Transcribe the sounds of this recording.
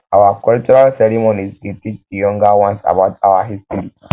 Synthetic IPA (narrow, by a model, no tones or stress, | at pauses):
awakult͡ʃʼuɾalseɾimonizɡit̪ʼit͡ʃtijɔŋɡawãnsa̰bat̪ʼawaɦist̪ɾi